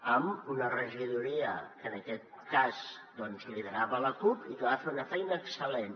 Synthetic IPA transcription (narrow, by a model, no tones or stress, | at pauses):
əmunərəʒiðuɾiəkənəkɛt̪̚kaz | d̪ɔnzliðəɾaβələkupikəβafeɾunəfɛjnəːksəlen